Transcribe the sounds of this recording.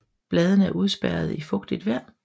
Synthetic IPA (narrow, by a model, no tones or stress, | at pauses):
b̥lɛːð̞ˠənəæɐʔuð̞ˠsb̥æɐð̞ˠifɔ̽ɡ̥d̥id̥ʋæɐ̰